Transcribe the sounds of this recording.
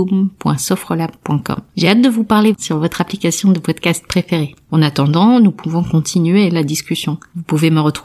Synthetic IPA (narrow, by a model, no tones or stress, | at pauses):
umpwɛ̰̃sɔfχəlappːwɛ̃kɔ̰mʒeat̪̚d̪əvupaʁlesyʁvɔt̪χaplikasjɔ̃d̪əpɔd̪kast̪̚pχefeʁeɑ̃nat̪ɑ̃d̪ɑ̃nupʰuvɔ̃kɔ̃t̪ʰinɥelad̪iskʲysjɔ̃vupuveməʁət̪χu